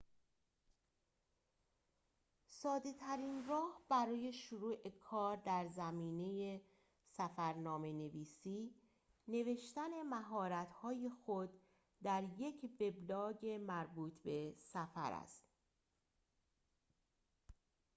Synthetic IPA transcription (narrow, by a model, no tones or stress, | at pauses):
sɒːd̪e̞t̪ʰæɾiːnrɒːhb̥æɾɒːje̞ʃoɾuːʔe̞kʰɒːɾd̪æɾzæmiːne̞je | sæfæɾnɒːme̞ne̞viːsiː | ne̞ve̞ʃt̪æne̞mæɦɒːɾæt̪hɒːjexo̞d̪ | d̪æɾje̞cʰve̞blɒːɟe̞mæɾbuːt̪ʰbe̞sæfæ̰ɾæ̰st̪